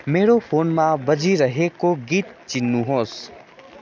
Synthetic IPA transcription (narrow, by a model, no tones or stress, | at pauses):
meːɾopʰoːnmãbəd͡ʒiɾəɦekoɡiːt̪̚t͡ʃɪnːũɦoːs